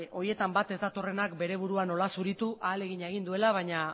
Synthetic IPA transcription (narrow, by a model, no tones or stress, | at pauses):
ʔo̞ɾie̞t̪ambat̪e̞zd̪at̪o̞re̞nakbe̞ɾe̞β̞uɾuano̞lasuɾit̪uʔaːle̞ɣ̞iɲaeɣ̞ind̪ue̞laβ̞aɲa